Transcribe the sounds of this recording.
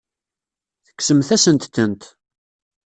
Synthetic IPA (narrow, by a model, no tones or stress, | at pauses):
θə̥kːsəmθæsənt̪θənt̪